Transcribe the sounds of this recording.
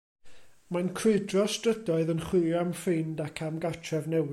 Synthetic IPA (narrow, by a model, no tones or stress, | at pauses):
mankʰrɨɨdrɔstrədɔɨðənχwɨjamfɨndakʰamɡatʰrɛvnɛw